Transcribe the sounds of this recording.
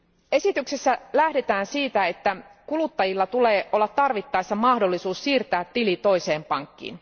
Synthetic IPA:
e̞sit̪yksesːælæhde̞t̪æːnsiːt̪æe̞t̪ːækulut̪ːɑjilːɑt̪ule̞ːʔo̞lːɑt̪t̪ːɑrʋit̪ːɑjsːɑmɑhdo̞lːisuːssiːrt̪æːt̪ːilit̪o̞jse̞ːmpɑŋkːḭːn

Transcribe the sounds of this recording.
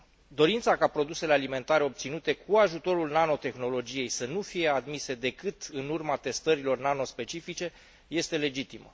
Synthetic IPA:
d̪o̞ɾint̪sakapɾo̞d̪use̞le̞alime̞nt̪aɾeo̞p̚t̪sinut̪e̞kʰuaʒut̪o̞ɾulnano̞t̪e̞xno̞lo̞d͡ʒije̞jsənufije̞ad̪mise̞d̪e̞kɨt̪ɨnurmat̪e̞st̪əɾilo̞rnano̞spe̞t͡ʃifit͡ʃe̞ | je̞st̪e̞le̞d͡ʒit̪imə

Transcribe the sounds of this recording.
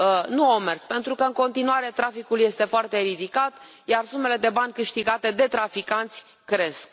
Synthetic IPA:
nuomerspe̞nt̪ɾukəɨŋko̞nt̪inuaɾe̞t̪ɾafikulje̞st̪e̞foart̪e̞ɾid̪ikat̪ | jarsume̞le̞d̪e̞banʲkɨʃt̪iɡat̪e̞d̪e̞t̪ɾafikant̪sʲ | kɾe̞sk

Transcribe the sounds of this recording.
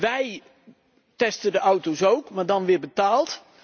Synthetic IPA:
ʋɛj | tɛstədəʔawtowsowkmaːɹdɑnʋɪːɹbətaːlˠt

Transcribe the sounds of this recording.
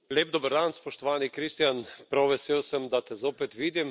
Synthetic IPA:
leːb̚d̪obəɾd̪anspɔʃt̪ɔʋaːnikɾist̪janpɾawʋɛseːwsəmd̪at̪ɛzoːpɛt̪ʋiːd̪im

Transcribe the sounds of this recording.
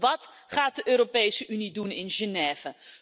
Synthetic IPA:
ʋɑt | χaːt̚dəʔøːɾopejsəʔynidunɪnʒənɛːv̥ə

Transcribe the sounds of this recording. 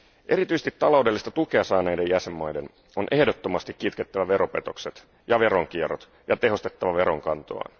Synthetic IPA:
ʔe̞ɾit̪yist̪it̪t̪ːɑlo̞wdelːist̪ɑt̪uke̞ɑsɑːnejdejæse̞mːɑjde̞n | onʔe̞hdot̪ːomɑst̪ikkit̪ket̪ːæʋæʋe̞ɾo̞pe̞t̪o̞kset̪ | jɑʋe̞ɾo̞ŋk̟ierot̪ | jɑt̪e̞ɦo̞st̪e̞t̪ːɑʋɑʋe̞ɾo̞ŋkɑnt̪o̰ɑ̰n

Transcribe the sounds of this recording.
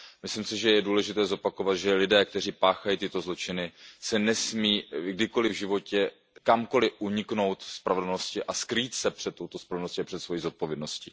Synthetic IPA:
mɪslɪmsɪʒɛjɛduːlɛʒɪt̪ɛːzo̞pakovat̪ʒɛlɪdɛːk̚t̪ɛriːpaːxajiːt̪ɪt̪o̞zlo̞t͡ʃɪnɪsɛnɛsmiːɡdɪko̞lɪvʒɪvo̞cɛ | kamko̞lɪʔuɲɪkno̞wt̪fspɾavɛdl̩noscɪʔaskɾiːt̪sɛpr̝̥ɛt̪ːowt̪ospɾavɛlnosciapr̥ɛt̪svo̞jiːzo̞t̪̚po̞vjɛdno̞scɪ

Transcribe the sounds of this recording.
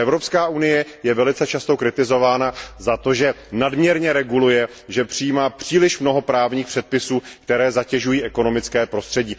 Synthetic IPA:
ɛvɾo̞pskaːʔunɪjɛjɛvɛlɪt͡sɛt͡ʃast̪o̞kɾɪt̪ɪzo̞vaːnazat̪o̞ʒɛnadmɲɛɾɲɛɾɛɡulujɛ | ʒɛpr̝̥ɪjiːmaːpr̝̥iːlɪʃmno̞ɦo̞pɾaːvɲiːxpr̝̥ɛt̪̚pɪsuːkt̪ɛɾɛːzacɛʒujiːʔɛko̞no̞mɪt͡skɛːpɾo̞st̪r̥ɛɟiː

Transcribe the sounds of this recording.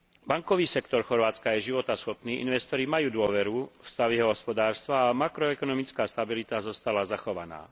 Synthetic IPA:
baŋkɔʋiːsɛkt̪ɔɾxɔɾʋaːt͡skajɛʒiʋɔt̪asxɔpniːʔḭnʋɛst̪ɔɾimajuːd̪ʊɔʋɛɾufst̪aʋiɦɔɦɔspɔd̪aːɾst̪ʋaːmakɾɔɛkɔnɔmit͡skaːst̪abilit̪azɔst̪alazaxɔʋa̰na̰ː

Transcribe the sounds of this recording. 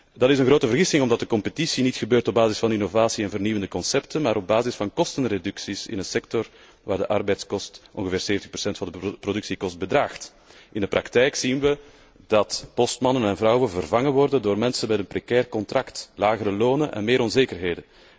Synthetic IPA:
dɑtɪsənɣrɾoːtəvərɣɪsɪŋɔmdɑt̚dəkɔmpətisinitxəbøːrtɔbaːzɪsfɑninovaːsiɛnvərniʋəndəkɔnsɛptənmaːɾɔb̚baːzɪsfɑnkɔstənredʉksisɪ̰nənsɛk̚tɔr | ʋaːrdəʔɑrbɛjtskɔstʔɔ̰nɣəveːrseːvət̪əxpərsɛntfɑndəprodʉksikɔst̚bədraːxt | ʔɪndəprʔɑktɛjksinʋə | d̥ɑtpɔstmɑnənɛnvrɑwənvərvɑŋənʋɔrdəndoːrmɛnsənmɛtənprɛkɛːrkɔntrɑktlaːɣəɾəloːnənʔɛ̰nmeːɾɔnzeːkərɦeːdən

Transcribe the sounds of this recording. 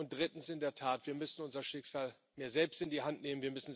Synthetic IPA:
ʊnt̚d̥ʁɪtn̩sɪndeːɐtʰaːtv̥iːɐmʏsn̩ʊnzɐʃɪkz̥aːl | meːɐzɛlpstɪndiːɦantneːmən̩viːɐmʏsn̩

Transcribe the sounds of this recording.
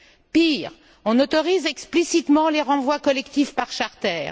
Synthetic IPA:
piːʁ | ɔ̃nɔt̪ɔʁizɛksplisit̪mɑ̃leʁɑ̃vwakɔlɛkt̪ifpaʁʃaʁt̪ɛːʁ

